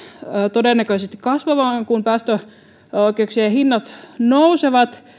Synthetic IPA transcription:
t̪odeˑnːækøˑsest̪i̥kkɑsʋɑʋɑːŋŋkumpæːst̪ø | oˑikeuksiɑhinːɑt̪nouseʋɑt̪

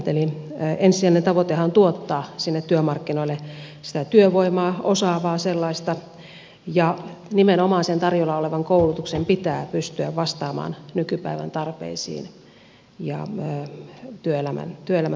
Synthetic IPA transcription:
t̪elinensiænent̪ɑʋot̪ehɑnt̪uot̪ːɑːsinːet̪t̪yømɑrkːinoilːesi̥t̪æt̪yøʋoimɑːosɑːʋɑːselːɑist̪ɑ | jɑnimenomɑːsent̪ɑrjolɑoleʋɑŋkoulut̪uksempit̪æːpyst̪yæʋʋɑst̪ɑːmɑ̰ːnnykypæiʋæ̰nt̪ɑrpḛisḭːn | jɑ̰øːt̪yøelæmæ̰nt̪yøelæmæ

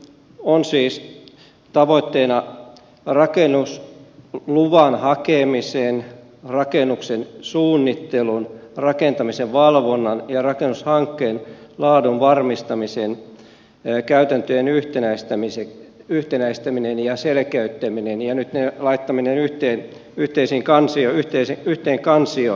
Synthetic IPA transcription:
onsiːs | t̪ɑʋoit̪ːeːnɑ | rɑkenːus | luʋɑnhɑkemiseːn | rɑkenuksensuːnːit̪ːelunrɑkent̪ɑmiseʋʋɑlʋonːɑnjɑrɑkenːushɑŋkːeːnlɑːdunʋɑrmist̪ɑmisen | kæyt̪ænt̪øjenyht̪enæist̪æmiseyht̪enæist̪æminenjɑselkæyt̪ːæminenjɑnyt̪nelɑit̪ːɑminenyht̪eːn | yht̪eisiŋkɑnsioyht̪eiseyht̪eːŋkɑnsio

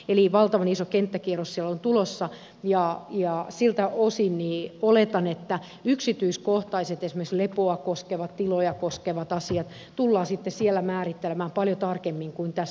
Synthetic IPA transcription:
eliʋɑlt̪ɑʋɑnisokent̪ːækierossielːont̪ulosːɑ | jɑjɑsilt̪æosinniːolet̪ɑnet̪ːæ | yksit̪yiskoht̪ɑiset̪esimekslepoɑkoskeʋɑt̪t̪ilojɑkoskeʋɑt̪ɑsiɑt̪ | t̪ulːɑːsit̪ːesielːæmæːrit̪ːelĕmæːmpɑljot̪ɑrkemːiŋkuint̪æs

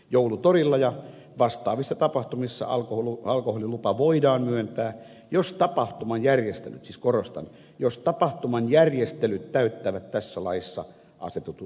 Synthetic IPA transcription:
joulut̪orilːɑjɑ | ʋɑst̪ɑ̰ːʋisːɑt̪ɑpɑht̪umisːɑ̰ɑlkoholuɑlkoholilupɑʋoidɑːmmyønt̪æː | jost̪ɑpɑht̪umɑnjærjest̪ḛlyt̪siskorost̪ɑ̰n | jost̪ɑpɑht̪umɑnjærjest̪elyt̪t̪æyt̪ːæːʋæt̪t̪æsːælɑisːɑ̰ | ʔɑ̰set̪ut̪u

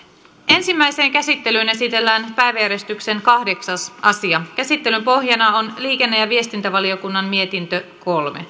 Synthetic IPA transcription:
ʔe̞nsimːæjse̞ːŋkæsit̪ːelyːne̞sit̪e̞lːæːnpæjʋæjæɾest̪ykse̞nkɑhde̞ksɑsʔɑsiɑkæsit̪ːe̞lympo̞hjɑnɑo̞nliːke̞nːejɑʋie̞st̪int̪æʋɑlio̞kunːɑmmie̞t̪int̪øko̞lmḛ

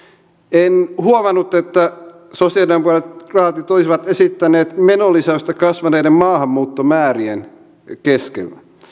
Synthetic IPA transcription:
enhuomɑnːut̪ːet̪ːæ | sosiɑliɑmpuɑlet̪rɑːt̪it̪olisiʋɑt̪esit̪ːæneːt̪menolisɑost̪ɑkɑsʋɑneːdemmɑːhɑmːuːt̪ːomæːɾien | keskḛlːæ

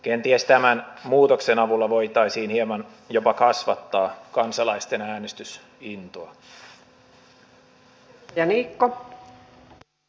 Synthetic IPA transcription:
k̟ent̪iæst̪æmænmuːt̪o̞ksenɑʋulːɑʋo̞it̪ɑisiːnhiemɑn | jopɑkɑsʋɑt̪ːɑːkɑnsɑlɑist̪e̞næːnest̪ys | int̪oɑ | jɑniːkːo

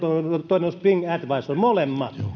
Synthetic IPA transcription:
oot̪oˑinenost̪piŋɡæt̪ʋɑisolʲmolemːɑ̰t̪o

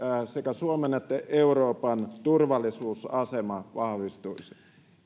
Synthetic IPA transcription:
sekæsuomenet̪ːæʔeuroːpɑnt̪urʋɑlːˑisuːsɑsemɑʋɑhʋist̪uisi̥

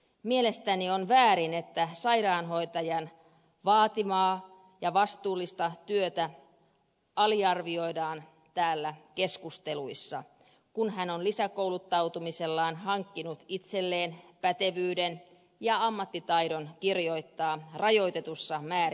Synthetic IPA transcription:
miele̞st̪ænionʋæːɾine̞t̪ːæsɑiɾɑːnɦo̞it̪ɑjɑn | ʋɑːt̪imɑː | jɑʋɑst̪uːlːist̪ɑt̪yøt̪æ | ɑliɑrʋio̞idɑːn | t̪æːlːæke̞skust̪eluisːɑ | kunɦænonlisæko̞wlut̪ːɑwt̪umise̞lːɑːnɦɑŋkːinut̪it̪se̞lːe̞ːnpæt̪e̞ʋyːden | jɑɑmːɑt̪ːit̪ɑidonkirjo̞it̪ːɑːrɑjo̞it̪e̞t̪usːɑmæːr

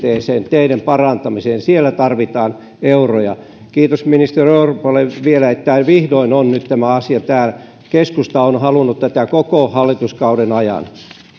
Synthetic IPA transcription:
eːseːnt̪eidæmpɑrɑnt̪ɑmiseːnsielːæt̪ɑrʋit̪ɑːn | eurojɑ̰ | kiːt̪osminist̪erieuropoleʋielæet̪ːæʋihdoinonnyt̪t̪æmæɑsiɑt̪æːl | keskust̪ɑonhɑlunːut̪t̪æt̪ækokohɑlːit̪uskɑudenɑjɑ̰n

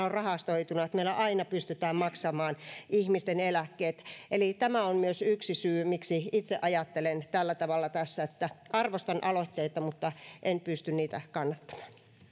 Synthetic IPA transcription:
orɑhɑst̪oit̪unɑet̪meilːæʔɑinɑpyst̪yt̪æːmmɑksɑmɑːnihmist̪enelækːeːt̪elit̪æmæonmyøsyksisyːmiksiit̪seʔɑjɑt̪ːelent̪ælːæt̪ɑʋɑlːɑt̪æsːæet̪ːæɑrʋost̪ɑnʔɑlot̪ʲːeit̪ɑmut̪ːɑʔenpyst̪ynniːt̪ækɑnːɑt̪ːɑ̥m̥ɑ̥ːn

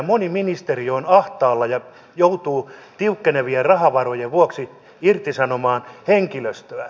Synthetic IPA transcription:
moniminist̪erionɑht̪ɑːlːɑjɑ | jout̪uːt̪iukːeneʋierɑhɑʋɑrojeʋuoksi | irt̪isɑnomɑːnheŋkiløst̪øæ

